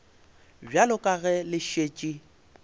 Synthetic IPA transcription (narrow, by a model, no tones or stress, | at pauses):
bjalʊkʼaɣɛlɪʃeːt͡ʃʼi